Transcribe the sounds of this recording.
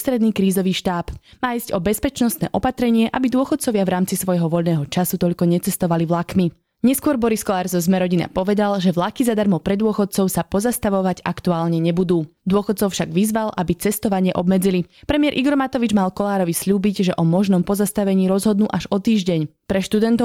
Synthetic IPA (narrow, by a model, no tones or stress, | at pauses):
st̪ɾɛd̪niːkɾiːzɔʋiːʃt̪aːpmaːizcɔbɛspɛt͡ʃnɔst̪nɛ̰ːʔɔpat̪ɾɛɲɪɛʔa̰bid̪ʊɔxɔt̪̚t͡sɔʋɪavɾaːmt͡sisʋɔjɦɔʋɔʎnɛːɦɔt͡ʃasut̪ɔʎkɔɲɛt͡sɛst̪ɔʋaliʋlakmi | ɲɛskʊɔɾbɔɾiskɔlaːɾzɔzmɛɾɔɟina̰pɔʋɛd̪alʒɛʋlakizad̪aɾmɔpɾɛd̪ʊɔxɔt̪̚t͡sɔʊsapɔzast̪aʋɔʋaɟakt̪uaːlɲɛɲɛbud̪uːd̪ʊɔxɔt̪̚t͡sɔʊfʃaɡʋizʋalʔabit͡sɛst̪ɔʋaɲɪɛʔɔbmɛd͡zilipɾɛmiɛɾʔiɡɔɾmat̪ɔʋid͡ʒmalkɔlaːɾɔʋisʎuːbiɟʒɛʔɔmɔʒnɔmpɔzast̪aʋɛɲiːɾɔzɦɔd̪nuːʔaʒɔt̪iːʒɟɛɲpɾɛʃt̪ud̪ɛnt̪ɔ